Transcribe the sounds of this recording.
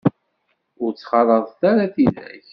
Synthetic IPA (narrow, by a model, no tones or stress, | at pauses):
ʊɾt͡sːχɑɾˤəðˤθaɾaθiðæ̰ç